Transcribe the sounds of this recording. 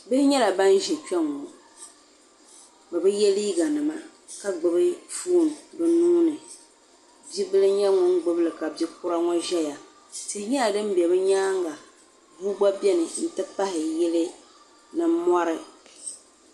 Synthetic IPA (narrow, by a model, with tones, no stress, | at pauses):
bɨ˦ɲɛ˦la˨ba˦n˦ʒɛ˨t͡ʃɛ˦ŋɔ˨ | bɨ˨bɨ˦jɛ˦liː˦ɡa˨nɨ˨ma˦ | ka˨ɡ͡bɨ˨bɨ˦fuː˦˨n˨bɨ˨nuː˦nɨ˨ | bi˦bɨ˦lɨ˦ɲɛ˦ŋʊ˦ŋ˦ɡ͡bɨ˦bɨ˦lɨ˨ka˨bi˦kʊ˦ɾa˦ŋɔ˦ʒɛ˦ja˨ | sɪ˦hɲɛ˦la˨dɨ˦m˦bɛ˨bɨ˦ɲaː˦ŋ˦ɡa˨ | vu˦ɡ͡ba˦bɛ˦nɨ˨n̩˦tɨ˦pa˦hɪ˨jɛ˦lɨ˦ | nɨ˦m˦mːɔ˦ɾɨ˦